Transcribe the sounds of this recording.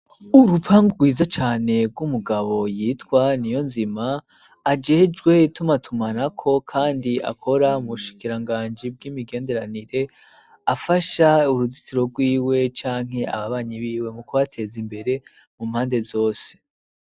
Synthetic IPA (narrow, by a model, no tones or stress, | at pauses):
uɾupʰaŋɡuɡwiːzat͡ʃaːne̞bɡwumuɡaβo̞jiːtkwanijo̞nzimaː | d͡ʒe̞ːd͡ʒɡwe̞itumatʰumanakʰo̞kʰaːndiʔa̰kʰo̞ɾaumuuʃi̥kiɾaŋɡaːnd͡ʒib̚ɡimiɡe̞ːnde̞ɾaniɾe̞ | afaʃauɾuzitiɾo̞ɡwiːwe̞t͡ʃaːŋ̥ɦe̞a̰βaβaːɲiβiːwe̞mukuβatʰe̞zimbe̞ɾe̞ | mumhaːnde̞zo̞ːse̥